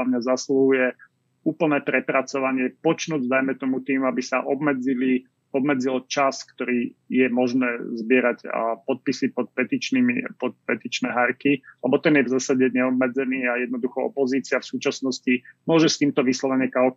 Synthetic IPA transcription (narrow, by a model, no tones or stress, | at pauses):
amɲazasluɦujɛ | uːpl̩nɛːpɾɛpɾat͡sɔʋaɲɪɛpɔt͡ʃnuːɟd̪ajmɛt̪ɔmut̪iːmuabisaʔɔbmɛd͡zili | ɔbmɛd͡zilt͡ʃaskt̪ɔɾiːjɛmɔʒnɛːzbɪɛɾaɟa̰pɔt̪̚pisipɔt̪̚pɛt̪it͡ʃniipɔt̪̚pɛt̪it͡ʃnɛɦaɾkilɛbɔt̪ɛnjɛvzaːsaɟɛɲɛɔbmɛd͡zɛniːajɛd̪̚nɔd̪uxɔɔ̰pɔziːt͡siafsuːt͡ʃasnɔscimʊɔʒɛst̪iːmt̪ɔʋislɔʋɛɲɛkal